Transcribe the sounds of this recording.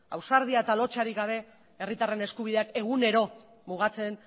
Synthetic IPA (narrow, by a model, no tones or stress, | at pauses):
a̰wsaɾð̞iae̞t̪alo̞t͡ʃaɾiɣɡaβ̞e̞ | erit̪are̞ne̞skuβ̞iðe̞ake̞ɣ̞une̞ɾo̞ | muɣ̞at͡se̞n